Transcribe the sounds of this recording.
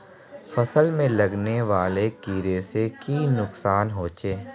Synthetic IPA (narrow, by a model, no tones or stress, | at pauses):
fɐsəlmẽlɐɡneʋaːlekiːɾeːsekiːnʊksaːnɦoːt͡ʃeː